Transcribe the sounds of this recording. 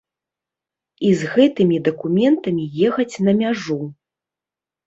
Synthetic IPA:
izɣɛt̪ɨmʲid̪ɐkumʲɛnt̪ɐmʲijɛxɐt͡sʲnɐmʲaʐu

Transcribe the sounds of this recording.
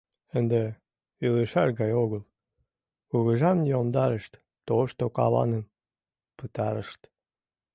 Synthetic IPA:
ənd̪e | ylɨʃɑrɣɑjoɣəlˠ | uɣəʒɑmnʲiomd̪ɑɾəʃt̪ | t̪oʃt̪okɑ̰lɑ̰nəm | pɨt̪ɑɾə̰ʃt̪

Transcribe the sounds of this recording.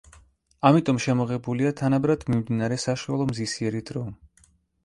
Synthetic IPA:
amit̪ʼɔmʃɛmɔʁɛbuliat̪ʰanabɾad̪̥mimd̪inaɾɛsaʃualˠɔmzisiɛɾid̪ɾɔn

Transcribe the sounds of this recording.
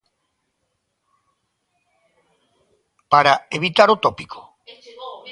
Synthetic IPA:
paɾaeβit̪aɾot̪opikʰo̥

